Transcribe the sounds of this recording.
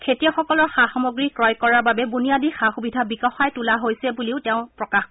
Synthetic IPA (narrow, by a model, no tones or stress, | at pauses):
kʰetijɔxɔkɔlɔɹxaxɔmoɡɹikɹɔjkɔɹaɹbabɛbunijadixaxubidʱabikɔxajtulaɦojsɛbuliʊtɛʊ̃pɹɔkax